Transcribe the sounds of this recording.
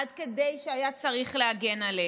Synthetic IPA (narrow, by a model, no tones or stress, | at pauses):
adke̞de̞jʃeajat͡saʁiχleaɡe̞nale